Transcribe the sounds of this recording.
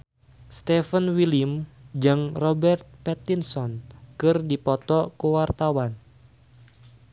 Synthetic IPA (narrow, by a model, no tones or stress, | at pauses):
st̪ɛfənwilimd͡ʒɨŋrɔbɛrt̪̚pɛt̪insɔnkɨrdipɔt̪ɔkuwart̪awan